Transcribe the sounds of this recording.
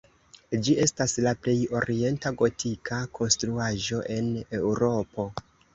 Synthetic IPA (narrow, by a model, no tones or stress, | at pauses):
d͡ʒie̞staslaple̞jo̞ɾie̞ntaɡo̞tʰikʰakʰo̞nstɾuaʒo̞ʔe̞ne̞wɾo̞po̞